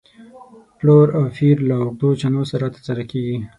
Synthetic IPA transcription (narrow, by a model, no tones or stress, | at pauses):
ploɾawfiɾlaʊɡ̚d̪ot͡ʃanosaɾat̪ə̥ɾsaɾakeɡi